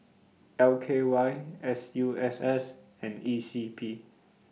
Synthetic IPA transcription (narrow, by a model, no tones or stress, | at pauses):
ɛlkʰewaɪɛsjuɛsɛs | ɛ̃nisipʰi